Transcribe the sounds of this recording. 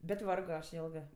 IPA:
bʲɛt ˈʋɐrɡoː ˈɐʃ ˈjeːlˠɡɜ

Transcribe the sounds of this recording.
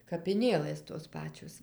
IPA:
kɐpʲɪˈnʲeːlˠɘs toːs ˈpɑːt͡ʃʲoːs

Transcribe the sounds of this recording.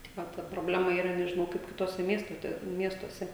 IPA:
tʲɪk ˈʋɐ tɐ proːˈbʲlʲæːmɐ iːˈrɐ nʲɛʒʲɪˈnɐʊ kɐɪp kʲɪˈtuɔsʲɛ ˈmʲiɛstoːtʲɛ ˈmʲiɛstuɔsʲɛ

